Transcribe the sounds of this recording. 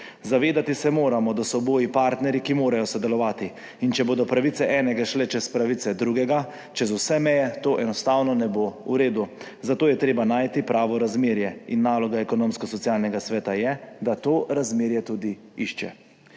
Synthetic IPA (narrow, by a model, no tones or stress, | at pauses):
zaʋeːd̪at̪isɛmoːɾamɔd̪asɔboːjipaːɾt̪nɛɾikimoːɾajɔsɔd̪ɛlɔʋaːt̪i | int͡ʃɛboːd̪ɔpɾaʋit̪sɛʔɛːnɛɡaʃlɛt͡ʃɛspɾaʋit̪sɛd̪ɾuɡɛɡa | t͡ʃɛzusɛmɛjɛt̪oːʔɛnɔst̪awnɔnɛboːṵɾeːd̪u | zat̪oːjɛt̪ɾeːbanaːjt̪ipɾʔaːʋɔɾazmeːɾjɛinːaːlɔɡaɛkɔnoːmskɔsɔt̪siaːlnɛɡasʋɛːt̪ajɛd̪at̪oːɾazmeːɾjɛt̪ud̪iiʃt͡ʃɛ̰